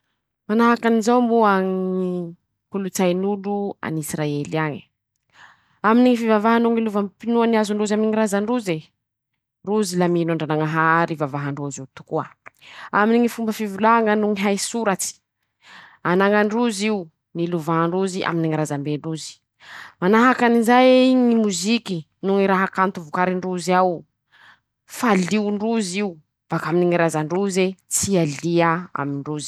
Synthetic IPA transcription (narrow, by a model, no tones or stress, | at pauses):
manaɦakanizawmbuaŋi | pulut͡sajnulua̰nisraeliaɲi̥ | aminiŋifivavaɦanuŋiluvampinuaniazuɳɖ͡ʐuzaminiŋiɾazaɳɖ͡ʐuze | ruzilaminaɳɖ͡ʐanaŋaɦaɾivavaɦaɳɖ͡ʐuzit̪u̥kuə̰aminiŋifumbəfivulaŋənuŋiɦajsuɾat͡si̥ | anaŋaɳɖ͡ʐuziu | niluvaɦaɳɖ͡ʐuziʔa̰miniŋaɾazambeɳɖ͡ʐuzi̥ | manaɦakanizajɲimuziki | nuŋiɾaɦakant̪uvukaɾiɳɖ͡ʐuziaw | faliuɳɖ͡ʐuziu | v̥akaminiŋaɾazaɳɖ͡ʐuzet͡sialiaa̰miɳɖ͡ʐuzi̥